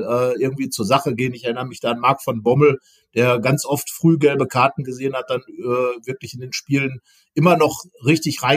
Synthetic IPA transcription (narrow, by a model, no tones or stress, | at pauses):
ʔɛːʔɪɐɡŋ̩tv̥iːt͡suːɐzaχəɡeːənɪçɛɐɪnəʁəmɪçd̥aːanmaɐkfɔnbɔml̩ | d̥eːɐɡant͡sʔɔftfʁ̥yːɡɛlbəkʰaɐtn̩ɡəzeːənhat̚d̥anɛːvɪɐklɪçɪndeːnʃpiːlən | ʔɪmɐnɔχʁɪçtɪçʁaɪ